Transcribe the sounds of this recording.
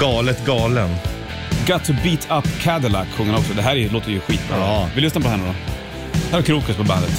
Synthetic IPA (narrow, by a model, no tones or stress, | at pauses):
ɡɑːlət̪ɡɑːlən | ɡɑt̪ʰːʊbiːt̪ʰapːkʰæd̪əlakɧɵŋːənɔksɔd̪ɛɦæːɾæjloːt̪əjəɧiːt̪̚bɾɑ̰ːvɪlʏsnapɔhɛnəɾɔ | hæːɾɛɾkʰɾuːkəspʰɔbænd̪ət̪